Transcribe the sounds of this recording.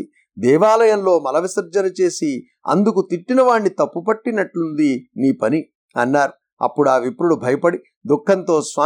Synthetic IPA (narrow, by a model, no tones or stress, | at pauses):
d̪ɛːʋaːlɐjɐmlo̞ːmɐlɐʋisɐɾd͡ʒɐnɐt͡ʃe̞ːsi | ɐ̰nd̪ukut̪iʈːinɐʋaːɳːit̪ɐpːupɐʈːinɐʈlund̪iniːpɐni | ɐnːaːɾu | ɐ̰pːuɽuaːʋipɾuɽubʱɐjɐpɐɽi | d̪ukʰːɐnt̪o̞ːsʋaː